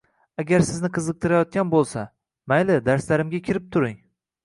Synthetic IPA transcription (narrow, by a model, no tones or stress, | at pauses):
aɡʲaɾsɪznɪqʰɨzɨq̚t̪ʰɪɾajɒt̪̚kʲanbolˠsa | majlɪd̪aɾslaɾɪmɡʲakʲʰɪɾɪp̚t̪ʰʊɾɪŋ